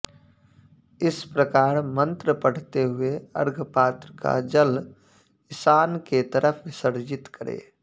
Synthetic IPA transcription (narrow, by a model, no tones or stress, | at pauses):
ɪspɾəkaːɾmə̃nt̪ɾəpəɽ̤t̪eɦʊeə̰ɾɡʱpaːt̪ɾəka̰d͡ʒəl | ɪsaːnket̪əɾʔəpʰʋɪsəɾd͡ʒɪt̪kəɾḛː